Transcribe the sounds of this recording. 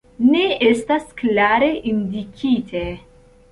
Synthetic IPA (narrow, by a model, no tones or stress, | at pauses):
ne̞ʔe̞stasklaɾe̞ʔindikʰitʰe